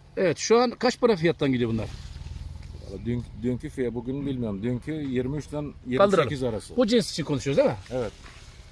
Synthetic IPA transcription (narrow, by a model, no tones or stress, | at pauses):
evɛt̪ʃuankʰat͡ʃbaɾafijat̪ːanɟid̪ijbunˠa̰ɾ | a̰lˠad̪yd̪yɲcʰyfijɛbuɡʲynbilʲmijoɾmd̪yɲcʰyjiɾmiyt͡ʃd̪ɛnjiɾkalmˠd̪ɯsɾekʰʲizaɾasɯbud͡ʒinsi̥t͡ʃʰinkʰonuʃujozd̪emɪevɛt̪̚